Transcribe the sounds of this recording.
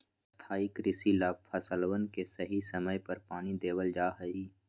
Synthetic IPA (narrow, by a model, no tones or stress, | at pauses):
st̪ʰaːɪkɾɪsilaːb̚pʰɐsəlwənkesɐɦisɐməjpɐɾpaːnid̪eːwəld͡ʒaːɦəiː